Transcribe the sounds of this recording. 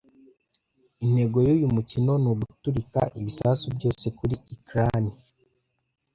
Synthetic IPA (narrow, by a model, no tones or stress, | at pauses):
in̥e̞ɡo̞jujumucino̞nuɡutuɾika̰ʔiβisasubɟo̞ːse̞kuɾiikɾani